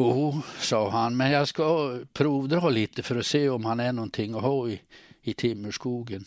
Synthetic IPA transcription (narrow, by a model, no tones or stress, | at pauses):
juːsɑːhɑnmɛnjæɪskɑpʰɾuːʋd̪ɾɑːliːt̪əfɔɾɔseːɔmhɑnæɳɔnt̪ʰɪŋːɔhɑːɪɪt̪ʰɪmːəʂkuːɡən